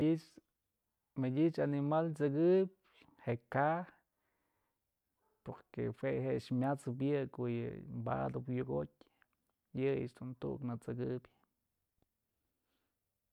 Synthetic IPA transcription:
it͡ʃ | mɨdʲit͡ʃanimalt͡sɨɡɨb̚ʲ | heʔka | poɾkḛhweɦeʔt͡ʃmʲat͡sɨp̬jɨkoʔjɨ̰mba̰d̪ɨpjuɡo̰tʲ | jɨjɨ̰ʔt͡ʃd̪unt̪ṵʔknɨt͡sɨɡɨbʲ

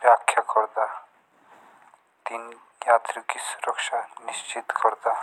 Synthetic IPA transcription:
bjaːkʰːjakɔɾd̪a | d̪̥in | jaːt̪ɾəkisuɾəkʃanist͡ʃit̪kʰɔɾd̪a

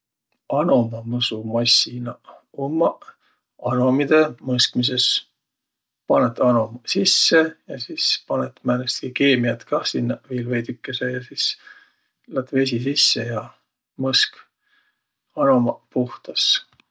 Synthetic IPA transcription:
ɑno̞mɑmɤsumɑsʲinɑomːɑ | ɑno̞mid̪̥e̞mɤskmis̬e̞s | pɑnet̪ːɑno̞msisːe̞jɑsiːspɑnet̪mænest̪kike̞ːmiɑt̪kɑsinːɑviːlvejd̪ykːˑesejɑsiːs | lɑt̪ve̞s̬ʲisisːejɑ | mɤsk | ɑno̞mɑpuht̪ɑs

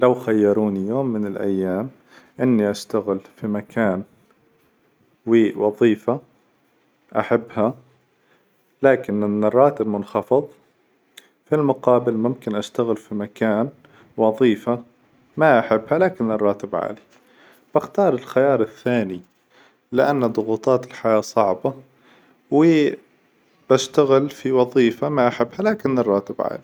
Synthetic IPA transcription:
lawxajːɑɾˤuːnijoːmːɪnɪlʔa̰jːaːm | ʔɪnːiʔast̪aɣɪlfimakʰaːn | wiːʔwɑðˤiːfa | ʔaħabːha | laːkɪnnɨrˤːɑːt̪ɪbmʊnxɑfɨðˤ | filmʊqɑːbɪlmʊmkɪnʔast̪aɣɪlfimakaːn | wɑðˤiːfa | maʔaħɪbːhalaːkɪnɪrˤːɑːt̪ɪbʕa̰ːli | b̥ɪxt̪ɑːɾˤɪlxajɑːɾˤɪθːaːni | lɪʔanːad̪ˤʊɣuːt̪ˤɑːt̪ɪlħajaːsˤɑʕba | wɪ | b̥aʃt̪aɣɪlfiwɑðˤiːfamaʔaħɪbːhalaːkɪnːɪrˤːɑːt̪ɪbʕa̰ːli

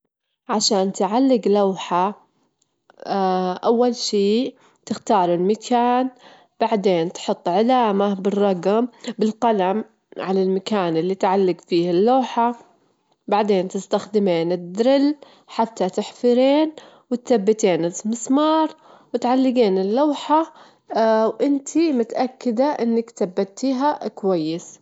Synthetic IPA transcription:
ʕaʃaːnt̪ʕalːɪɡlawħa | ʔawːalʃiː | t̪ɪxt̪ɑːɾˤɪlmakʰaːn | b̥aʕd̪eːnt̪ħʊt̪ˤːʕɪlaːmabɪrˤːɑɡmbɪlqalam | ʕalalmakaːnɪlːit̪ʕalːɪɡfiːhɪlːoːħa | baʕd̪eːnt̪ɪst̪axd̪ɪmeːnɪd̪ːɾɪl | ħat̪ːat̪ɪħfɪɾeːn | wɪt̪θabːat̪eːnɪsmɪsmɑːɾˤ | wɪt̪ʕalːɪɡeːnɪlːaːħa | wʔɪnt̪ʰimʊt̪ʔakːɪd̪aʔɪnːakθabːat̪ːiːɦakwajːɪs

